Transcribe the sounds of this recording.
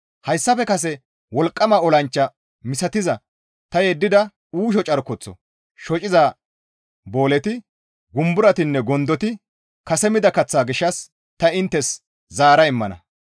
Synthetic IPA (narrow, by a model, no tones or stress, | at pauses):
hɐjsːɐfɛkɐs̬ɛ | wɔlkʼːɐmaːɔlɐnt͡ʃːɐ | mɪsɐt̪ɪzɐ | t̪ɐjɛd̪ːɪd̪ɐ | uːʃ̬ɔt͡ʃʼɐɾkɔt͡sːɔ̰ | ʃɔt͡ʃʼɪza | bo̞ːlɛt̪ɪ | ɡʊmbʊɾɐt̪ɪnːɛɡɔnd̪ɔt̪ɪ | kɐsɛmɪd̪ɐkɐt͡sːaːɡɪʃːɐs | t̪ɐɪnt̪ːɛs | zaːɾɐɪmːɐnɐ̰